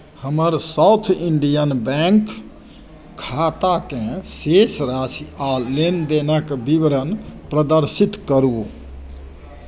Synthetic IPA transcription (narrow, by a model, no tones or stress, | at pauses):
həməɾsawt̪ʰiɳɖijənbɛŋk | kʰːat̪akẽsesɾasialend̪enəkbiʋɾənpɾəd̪əɾsit̪kəɾu